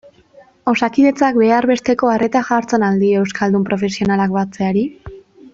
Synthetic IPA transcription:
o̞sakiðe̞t͡sakbe̞arβe̞st̪e̞ko̞are̞t̪axaɾt͡senald̪ie̞wskald̪umpɾo̞fe̞sio̞nalakbat͡se̞aɾi

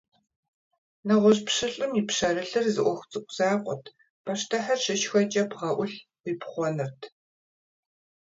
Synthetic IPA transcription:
nɐʁʷɔɕpʂɨɬʼɨmipʂɐɾɐɬɨrzɨʔʷɔxʷt͡sʼɨkʷʼzaːqʷʼɔ̰tʰ | pʰɐʂtʰɐħarʂɪʃxʷɐt͡ʃʼɐpʰʁɐʔʷʊɬwipχʷɔnɨrtʰ

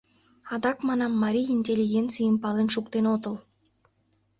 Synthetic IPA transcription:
ɑd̪ɑkmɑnɑmːɑɾʲijinʲtʲelʲːiɡʲent̪t͡sɨjəmpɑlˠenʃukt̪enot̪ɤ̆lˠ

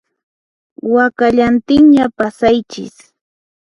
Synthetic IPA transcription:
wakaʎant̪ɪŋɲapasajt͡ʃɪ̰s

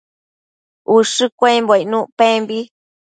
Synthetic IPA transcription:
ʔuʂɨkʷeimboinũʔpẽmbi

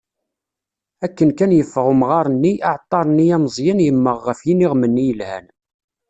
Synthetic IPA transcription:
ækːənkænjəfːəʁumʁɑɾˤənːiʔɑʕt̪ˤːɑɾˤənːiæməzˤjænjəmːəʁːəfjiniʁmənːijəlhæ̰n

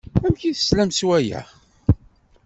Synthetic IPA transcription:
æmçiθə̥slæmswæjæ̰ʁ

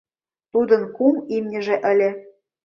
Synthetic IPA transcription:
t̪ud̪ɤ̆nkumimnʲɘ̆ʒĕʔə̆lʲĕ

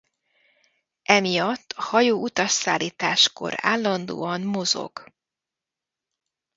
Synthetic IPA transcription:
ʔɛmijɒt̪ːɒhɒjoːʔut̪ɒʃsaːlːiːt̪aːʃko̞̰ɾa̰ːlːɒnd̪o̰ːɒnmo̞zo̰ɡ̥

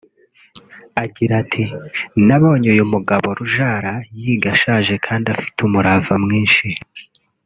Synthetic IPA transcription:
aɡiɾatʰinaβo̞ːɲeujumuɡaβo̞ɾuʒaːɾajiɡaʃaːʒe̞kʰaːndafi̥tʰumuɾavamŋiːnʃi

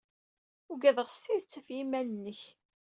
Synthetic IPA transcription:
ʊɡæðəʁst̪iðt͡sːəfjimælənːəç

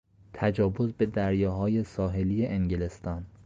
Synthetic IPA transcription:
t̪ʰæd͡ʒɒːvozbe̞d̪æɾjɒːɦɒːje̞sɒːɦe̞lijeʔeŋɟilest̪ɒːn

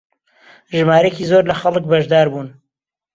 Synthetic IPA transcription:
ʒɨmaːɾejciːzoɾlɐxɐlɨk̚bɐʒd̪aːɾbuːn

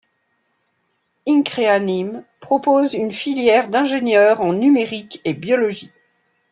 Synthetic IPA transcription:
iŋkχeanimpχɔpozynfiljɛʁd̪ɛ̃ʒenjœʁɑ̃nymeʁikebjɔlɔʒi

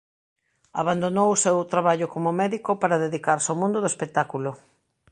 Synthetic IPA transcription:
a̰βand̪onowʊsewt̪ɾaβaʎʊkomʊmɛðikʊpaɾaðeðikaɾsomũnd̪ʊðoespek̚t̪akulʊ

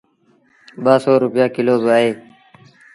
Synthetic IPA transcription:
ɓaːsoːɾʊpjaːkɪloːbaːɦeː

